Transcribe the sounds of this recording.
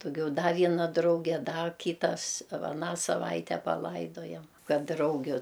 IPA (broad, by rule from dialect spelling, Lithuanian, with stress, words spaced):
dʊˈɡʲɛʊ ˈdɐ ʋʲiɛˈnɐ ˈdrɐʊɡʲɛ ˈdɐ ˈkʲiːtɐs ʋɐ ɐˈnɑː sɐˈʋɐɪtʲɛ pɐˈlˠɐɪdoːjɛm ˈkɐt ˈdrɐʊɡʲʊ